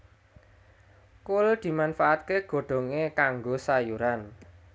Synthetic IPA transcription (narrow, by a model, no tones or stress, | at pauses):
kʊld̪̥i̤manfaʔat̪̚keɡ̥o̤ɖ̪̥o̤ŋekaŋɡosajuɾan